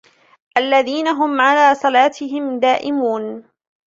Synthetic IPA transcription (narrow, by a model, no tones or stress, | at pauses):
ʔalːaðiːnaɦʊmʕalaːsˤɑlaːt̪ʰɪɦɪmd̪aːʔɪmuːn